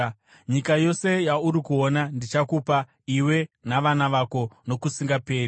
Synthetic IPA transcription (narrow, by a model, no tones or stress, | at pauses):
ɲikajo̞se̞jauɾikuonandit͡ʃakupa | iwe̞naʋanaʋako̞no̞kusiŋɡape̞ːri